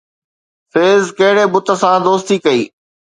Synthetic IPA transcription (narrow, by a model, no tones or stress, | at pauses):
feːzkɐɦɪɽebʊt̪ə̆sãːd̪oːst̪iːkɐḭː